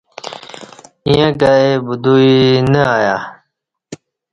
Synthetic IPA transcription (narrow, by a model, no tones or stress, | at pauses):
ĩjãkaebud̪uinəaːjaː